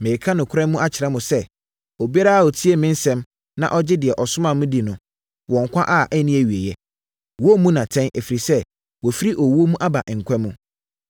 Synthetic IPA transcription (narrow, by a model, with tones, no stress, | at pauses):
mẽ˨kʰã˦nʊ̃˨kʰʊ˦ɾɛ̃˦mũ˦a˦t͡ɕʰɪ˨ɾɛ˦mʊ̃˨sɛ˦ | ɔ˨bi˦a˦ɾa˦a˨ɔ˨tʰi˦e˦mɪ̃˦n˦sɛ̃˦m | nã̰˦ʔɔ˦d͡ʑɪ˦dɪ˨ɛ˨ʔɔ˨sʊ˦mã˦˨mũ˦di˨nʊ̃˦ | wɔ̃˨ŋ˨kʷʰã˦ʔa˦˨ʔɛ˦nĩ˦æ˨ɥi˨e˨jɛ˦ | wɔ˦mũ˦nã˨tʰɛ̃˦nʔe˨fi˨ɾi˨sɛ˦ | wɔ˨fi˦ɾi˦ʔɔ˨wo˦mũ˦ʔa˦ba˨ʔŋ̩˨kʷʰɛ̃˦mũ˦